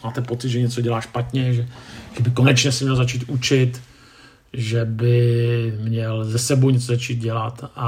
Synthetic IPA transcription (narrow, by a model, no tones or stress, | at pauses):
maːt̪ɛpot͡sɪd̪ʒɛɲɛt͡soɟɛlaːʃpat̪ɲɛʒɛʒ̥ɛbɪkonɛt͡ʃɲɛsɛmɲɛlzat͡ʃiːt̪ʔut͡ʃɪt̪ | ʒɛbɪmɲɛlzɛsɛbowɲɛt͡sozat͡ʃiːt̪̚ɟɛlat̪ʔa